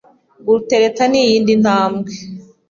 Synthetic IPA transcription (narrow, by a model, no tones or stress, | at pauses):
ɡuɾuteɾetanijiːndin̥haːmɡe